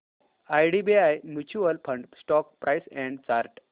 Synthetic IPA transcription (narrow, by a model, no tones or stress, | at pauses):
ajɖibiajmjut͡ɕuəlpʰə̃ɳɖsʈɔkpɾʔajsɛ̃ɳɖt͡ɕaɾʈ